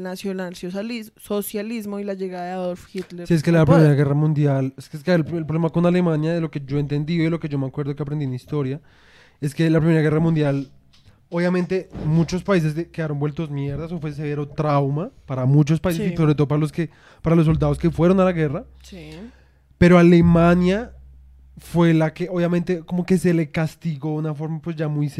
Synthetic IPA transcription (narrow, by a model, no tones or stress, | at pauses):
nasjonalsoalisosjalizmoilaʝeɣaðaðeaðolfxit̪leɾsieskelap̬ɾime̞ɾaɣe̞ramũnd̪jaleskeskeaelpɾolemako̞nale̞mãnjaðeloke̞d͡ʒo̞e̞nt̪e̞nd̪ioilo̞ke̞ʝo̞meakweɾðokeapɾend̪imist̪o̞ɾja | e̞ske̞lapɾimeɾaɣe̞ramũnd̪jal | oβjamẽnt̪e̞mut͡ʃo̞spais̬e̞skekeðaɾo̞nbwe̞lt̪o̞smje̞ɾðaso̞fwes̬eβeɾot̪ɾawmapaɾamut͡ʃo̞spaisesiso̞βɾet̪oopaɾalo̞ske | paɾalos̬o̞ld̪að̞o̞ske̞fwe̞ɾonalaɣe̞ra | s | pe̞ɾo̞ale̞mãnja | fwe̞lake̞oβjamẽnt̪e̞ko̞mo̞ke̞se̞le̞kast̪iɣo̞unafo̞ɾmapwe̞zd͡ʒamujs